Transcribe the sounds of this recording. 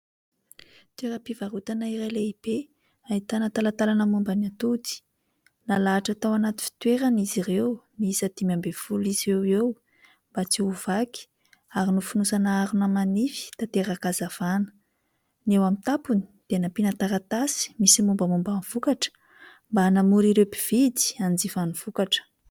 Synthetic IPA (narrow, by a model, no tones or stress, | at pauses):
t̪weɾəpivaɾut̪anaiɾaleib̥e | ait̪anət̪alat̪alanəmumbanat̪ut̪i̥ | nalaːʈ͡ʂat̪awanat̪i̥fi̥t̪weɾanizirewniizat̪imambefulizewew | mbat͡siuvaki̥ | aɾinufunusanaaɾunamanifi̥t̪at̪eɾakazav̥anə̥ | newamint̪apuni̥d̪̥enapinat̪aɾat̪asi̥misimumbəmumbanv̥ukaʈ͡ʂə̥ | mbanamuɾiɾewbiv̥id̪i̥and͡zivanuv̥ukaʈ͡ʂə̥